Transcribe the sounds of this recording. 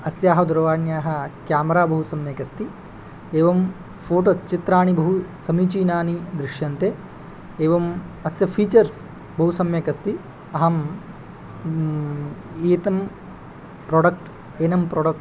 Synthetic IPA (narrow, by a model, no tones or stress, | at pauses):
ɐsjaːɦɐd̪uɾɐʋaːnjaːɦɐ̆kjaːmɐɾaːbɐɦusɐmjɐkɐst̪i | eːʋɐm | pʰoːʈoːst͡ʃit̪ɾaːɳibʱɐɦusɐmiːt͡ʃiːnaːnid̪ɾiʃjɐnt̪eː | eːʋɐmɐsjɐpʰiːt͡ʃɐɾs | bɐɦusɐmjɐkɐst̪i | ɐɦɐm | eːt̪ɐm | pɾoːɖɐk̚ʈ | eːnɐmpɾoːɖɐk̚ʈ